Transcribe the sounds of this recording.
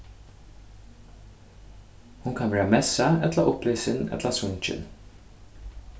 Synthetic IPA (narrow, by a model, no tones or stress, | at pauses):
hʊnkʰɑnʋæːɾɑmɛsɑɛt̪lə̰ʔʊpleːsɪnɛ̰t̪ləsʊnt͡ʃɪ̰n